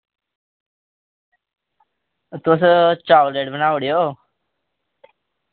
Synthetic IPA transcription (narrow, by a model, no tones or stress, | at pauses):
t̪os̬t͡ʃawleʈbənaːʋɽijoː